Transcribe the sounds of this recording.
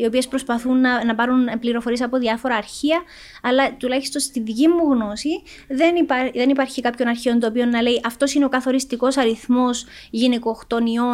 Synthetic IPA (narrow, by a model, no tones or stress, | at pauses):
io̞pie̞spɾo̞spɐθunːɐnɐpɐɾunpliɾo̞foɾie̞sɐpo̞ðiɐfo̞ɾɐːɾçiɐ | ɐlːɐt̪ulɐçi̥st̪o̞nst̪iðʝimːuɣno̞si | ðenpðe̞nipɐɾçikɐpço̞nɐɾçio̞nt̪oːpio̞nːɐle̞iʔɐft̪o̞sineo̞kɐθo̞ɾist̪iko̞sɐɾiθmo̞s | ʝiniko̞xt̪o̞nio̞